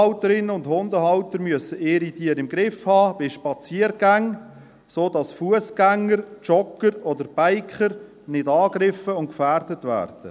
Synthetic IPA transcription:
ʊtəɾɪnəʊndhʊndəɦawtəɾmyəsəeːɾitiːəɾɪmɡɾɪfhɑːb̥ɪʃpɑt͡siːəɾɡæŋ | soːdɑsfuəsɡ̥æŋːəɾt͡ʃɔkəɾɔdəɾb̥aɪkχəɾ | nɪdɑːɡɾɪfəʊnt̚kfærdətvæ̰ːrd̥ə

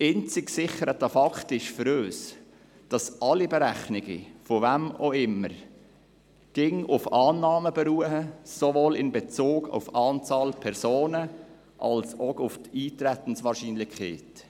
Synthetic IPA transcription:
ɪnt͡sɪksɪχəɾətɑfɑkχtɪʃfʏɾøːs | d̥ɑsʔɑlibɛɾæχnɪɡḭfovæmoɪmːəɾ | ɡ̥ɪŋʊfɑːnːɑːməb̥ɛɾuəhəsovoːlɪnbɛt͡soːɡʊ̰fɑːnt͡sɑːlpʰɛɾsoːnə | ʔɑ̰lsokʊftiːtɾæt̪ən̩sʋɑːɾʃiːnlɪkʰeːt

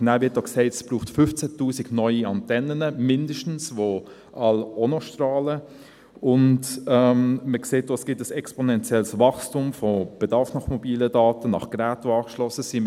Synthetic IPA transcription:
naʊvʋɪt̚d̥ɔksɛɪtə̥sb̥ɾuːχtfʏft͡sætuːsiɡnɔʏiɑntɛnənəmɪndəʃtn̩sʋo | ʔɑlɔnoʃtrɑːlə | ʊndɛmməkseːt̚d̥oːɛsɡ̥ɪtəsɛksponɛnt͡siɛlsvɑχstumfob̥edɑɾfnɑχmobiːlədɑːtənɑ̰χɡ̥ɾæːtʋoɑːkʃlɔsəsim

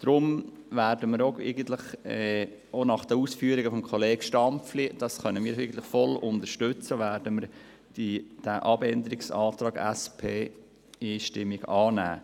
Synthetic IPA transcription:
d̥̪ɾʊm | væːɾdəməɾoɛɪɡən̩t̪ləχɛ | onɑχd̪̥əuːsfyːəɾiɡəfɔmkʰɔleːɡʃtɑmpflid̥ɑsχœnəmiːɾɪɡən̩t̪ləχfɔlʊnd̪əʃtʏt͡səʋæːɾdəməɾ | d̥id̥æʔɑbɛnd̪əɾɪksɑːt̪ɾɑːɡæ̰spʰeː | iːʃtɪmːiɡɑːnæ̰ː

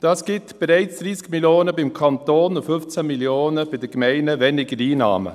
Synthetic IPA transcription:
d̥ɑːsɡ̥ɪtb̥ɛɾɛɪt͡sd̪̥ɾiːskmiljoːnəbɪmkʰɑnt̪oːnʊfʏft͡sæmiljoːnəb̥ɪd̥əkmɛɪnəvɛnɪɡəɾiːnɑ̰ːmə̰

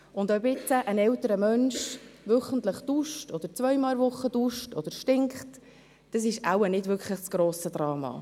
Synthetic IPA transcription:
ʊndobɪtəʔənɛltəɾəmœnʃʋʏχəntləχd̥uʃtɔd̥̪əɾt͡svœʏmɑlˠvʊχːəd̥uʃtɔd̥əɾʃtɪŋkχt | d̥ɑs̬ɪʃa̰wənɪdvʏɾkʰχləχsɡ̥ɾoːsəd̪ɾɑːmɑ̰ː

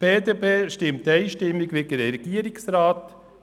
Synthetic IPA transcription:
b̥eːd̪epʰeːʃtɪmt̪ɛɪʃtɪmːɪɡʋeɡəɾɾɛɡ̥iəɾɪksɾaːt̪

